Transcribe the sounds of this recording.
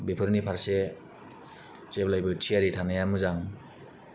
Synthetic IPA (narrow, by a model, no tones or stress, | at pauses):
bepʰɯɾnipʰaɾse | t͡ʃeblajbɯtʰiaɾitʰanajamɯzaŋ